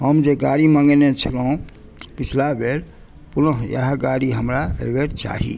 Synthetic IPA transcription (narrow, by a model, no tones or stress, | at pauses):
ɦəmd͡ʒeɡaɽimãŋɡenet͡ʃʰəlɦũ | pit͡ʃʰlabeɾ | punəɦjə̰ɦəɡaɽiɦəmɾa̰beɾt͡ʃa̰ɦḭ